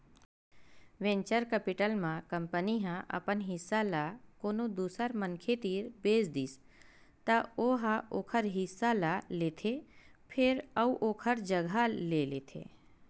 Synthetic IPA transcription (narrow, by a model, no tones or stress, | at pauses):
ʋẽɲt͡ʃəɾkəpɪʈəlmãkəmpəniɦãʔə̰pənɦɪsːalakoːnod̪uːsəɾmənkʰet̪iːɾbeːsd̪iːs | t̪aoɦãoːkʰəɾɦɪsːalaleːt̪ʰepʰɪɾəuʔoːkʰəɾd͡ʒəɡʱaleleːt̪ʰḛː